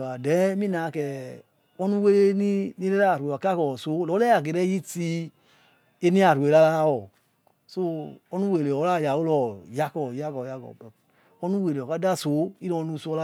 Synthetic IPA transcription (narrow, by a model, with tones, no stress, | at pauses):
a˨dɛ˨˦mi˦na˨kɛ˨ | ɔ˦nu˦we˦le˦ni˦ni˦ɾɛ˦ɾa˦˨ɾe˨ka˦kɔ˨so˨˦lɔ˨˦lɛ˦a˨ɡe˨ɾɛ˦ji˦ti˧ | e˦ni˦a˨ɾu˨e˨la˦la˦wɔ˨ | so˦ɔ˦nu˦we˨le˨ɔ˨˦la˦˨ja˨wo˦lɔ˨ja˦kɔ˨ja˦kɔ˨ja˦kɔ̰˨ | ɔ˦nu˦we˨le˨ɔ˨ka˨˦da˦˨so˨˦i˦lɔ˧˦nu˦˧˨sɔ˧la˦